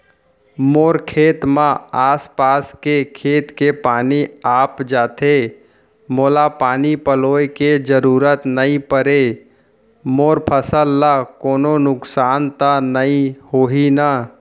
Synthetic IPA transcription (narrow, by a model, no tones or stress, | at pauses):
moːɾkʰeːt̪mãaːspaːskekʰeːt̪kepaːniaːpd͡ʒaːt̪ʰe | moːlapaːnipəloːeked͡ʒəɾuːɾət̪nəĩpəɾe | moːɾpʰəsəlːakoːnonʊksaːnt̪anəĩhoːɦina